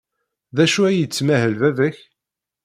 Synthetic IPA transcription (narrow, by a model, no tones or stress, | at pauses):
ðæʃuæjət͡sːmæhəlvævəç